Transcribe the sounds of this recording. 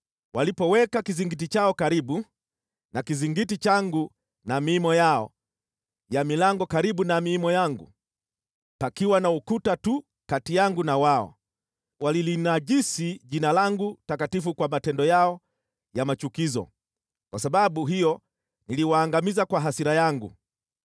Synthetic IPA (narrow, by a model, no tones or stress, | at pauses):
walipɔwɛkakiziŋɡit̬it͡ʃaɔkaɾiɓu | nakiziŋɡitit͡ʃaŋɡu | namiːmɔjaɔ̰ | jamilaŋɡɔkaɾiɓunamiːmɔjaŋɡṵ | pakiwanaukutatu | katijaŋɡunawaɔ̰ | walilinaʄisiʄinalaŋɡutakatifukwamatɛndɔjaɔ | jamat͡ʃukizɔ̰ | kwasaɓaɓuɦijɔ | niliwaːŋɡamizakwaɦasiɾajaŋɡṵ